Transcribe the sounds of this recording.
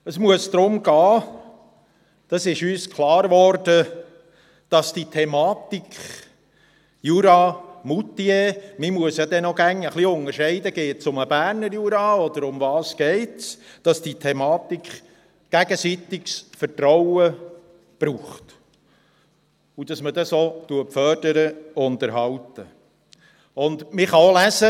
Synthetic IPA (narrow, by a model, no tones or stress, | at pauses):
əsmuəsd̪̥ɾʊmɡɑː | d̪̥ɑsɪʃyːskʰlˠɑːɾvɔɾd̥ə | d̥ɑsd̥itʰɛmɑːt̪ikχ | juɾɑmut̪iemimuəsjɑd̪ɛnɔɡ̥æŋəχliʊŋəɾʃɛɪdəɡeːtsʊməbæːɾnəɾjuɾɑɔd̪əɾʊmvɑːsɡ̥ɛɪtsd̥ɑsd̥it̪ʰɛmɑːt̪ikχ | ɡ̥æɡəsit̪ɪksfətɾɔwə | b̥ɾuːχt | ud̥ɑsmədɑsot̪uəpfœːɾd̥əɾəʊnt̪əɾɦɑwtə | ʊnd̪mɪχɑolæzə